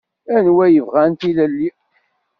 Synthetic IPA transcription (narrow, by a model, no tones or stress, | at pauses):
ænwæjəvʁænt̪ilælːi